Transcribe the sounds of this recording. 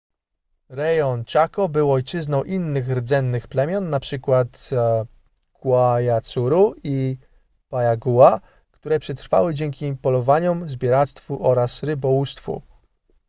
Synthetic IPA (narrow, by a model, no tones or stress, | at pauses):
ɾɛjɔnt͡ɕakɔbɘwɔjt͡ʂɘznɔ̃w̃ʔinːɘxɾd̪zɛnːɘxplɛmʲjɔnːapʂɘkwat̪ | kwajat̪suɾui | pajaɡuwa | kt̪uɾɛpʂɛt̪ɾfa̰wɘd͡ʑɛŋkʲipɔlɔvaɲɔmzbʲjɔɾat̪st̪fuʔɔɾasɾɘbɔwust̪fṵ